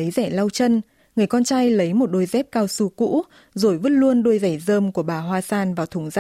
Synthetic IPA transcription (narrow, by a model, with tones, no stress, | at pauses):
ə˨˦jzɛ˧˩la˧wt͡ɕə˧n | ŋɨ˨˩əjkɔ˧nt͡ɕaː˧jlə˨˦jmo˨˩t̚ɗo˧jzɛ˦˥p̚kaː˧wsu˧kṵ˧˥ | zo˨˩jvə˦˥t̚lu˧ənɗjza˧˩jzəː˧mku˧˩əɓaː˨˩ɦwaː˧saː˧nvaː˨˩wt̪ʰʊ˧˩ŋza˧